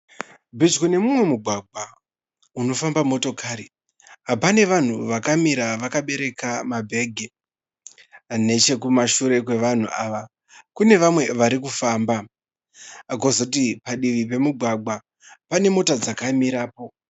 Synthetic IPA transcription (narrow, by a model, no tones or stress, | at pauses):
bʱid͡ʒkune̞mumwe̞muɡʱwaɡ͡bʱa | uno̞fambamo̞to̞kʰaːɾi | ɦapane̞ʋan̤uʋakamiɾaʋakaɓe̞ɾe̞kamabʱe̞ɡʱe | ne̞t͡ʃe̞kumaʃuɾe̞kwe̞ʋan̤uʔaːʋa | kune̞ʋamwe̞ʋaɾikufaːmba | aɡozot̬ipaɗiʋipe̞muɡʱwaɡ͡bʱa | pane̞mo̞tad͡zakamiɾaːpo̞